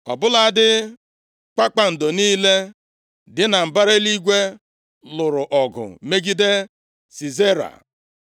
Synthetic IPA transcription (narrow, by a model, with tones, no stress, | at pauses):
ɔ̰˨bʊ˦la˨dɪ˦ | k͡pa˦k͡pa˨n̩˨do˨niː˦le˦ | dɪ˦na˨m̩˨ba˦ɾe˦li˦ɡʷe˦ | lʊ˨ɾʊ˨ʔɔ˨ɡʊ̰˨me˦ɡi˦de˦ | si˨ze˦ɾa̰˨